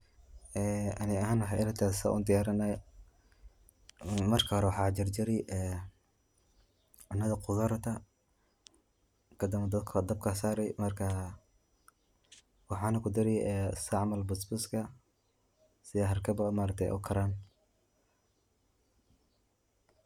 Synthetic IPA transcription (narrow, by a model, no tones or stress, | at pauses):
ɛːɐnɪɐɦaːnwɑħɑjɪlɐt̪ʰaːssa̰ːʔṵnd̪ɪjaːɾɐnaj | mɐrkʰɐhɔɾɛwɑħɑːt͡ʃɪrd͡ʒɪɾɪjʔɛː | ʊnːɐðɐqʰʊðɐɾt̪ʰɐ | kʰɐd̪ɐmɐd̪ɐd̪kʰɐd̪ɐb̚kʰɐsaːɾɛjmɐrkʰɐ | wɑħɑːnɐkʰʊd̪ɪɾɛjɛsɐʕmɐlbʊsbʊskʰɐ | sɪðɛɦɐrkʰɐbɐmaːɾɐk̚t̪ʰɛjʔʊ̰kʰɐɾaːn